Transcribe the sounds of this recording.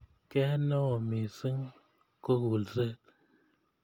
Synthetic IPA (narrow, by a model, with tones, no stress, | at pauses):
kɛ˦nɔ˦o˨mi˨sɨ˦ŋ | ko˦ɣu˨lze˦˨t̚